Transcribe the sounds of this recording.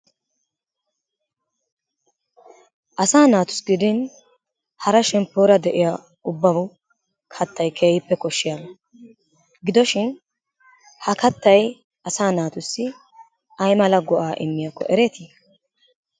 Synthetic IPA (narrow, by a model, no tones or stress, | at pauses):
ʔɐsaːnaːt̪ʊ̥sɡɪd̪ɪn | hɐɾɐʃɛmpːoːɾɐd̪ɛʔɪja | ʊbːɐbʊ | kʰɐt̪ːɐjkʰeːjɪpːɛkɔʃːɪjaɡɐ | ɡɪd̪ɔʃɪn | hɐkɐt̪ːɐj | ɐsaːnaːt̪ʊsːɪ | ʔɐjmɐlɐɡɔʔaːʔɪmːɪjakːɔ̰ʔɛɾɛt̪i